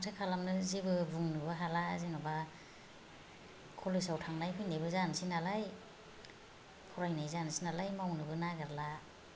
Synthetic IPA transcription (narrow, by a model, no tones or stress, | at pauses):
atʰɯkʰalamnɯzibɯbuŋnɯbɯɦala̰zinaba | kʰolisawtʰaŋnajpʰɯjnebɯzansinalaj | kʰuɾajnajzansinalajmawnɯbɯnaɡaɾla